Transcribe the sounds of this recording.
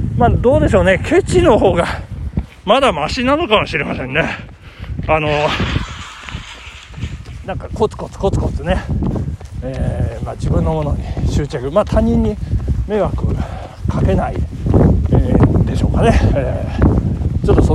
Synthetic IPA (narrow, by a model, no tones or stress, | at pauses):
maːd̪o̞ːd̪e̞ɕ̬o̞ːne̞kʰe̞t͡ɕino̞ho̞ːɡa | mad̪amaɕinano̞kamoɕiɾemasẽ̞nːe | ano̞ | nãŋkako̞t͡sɨ̥ko̞t͡sɨ̥ko̞t͡sɨ̥ko̞t͡sɨne̞ | eːmad͡ʑibɯ̟̃nːo̞mo̞no̞̰ɲiɕɨːt͡ɕakɯ̟mat̪ʰaɲ̟ːĩɲ̟ːime̞ɡakɯ̟ | kʰake̞naḭ | ed̪e̞ɕo̞ːkane̞eː | t͡ɕo̞t̪ːoso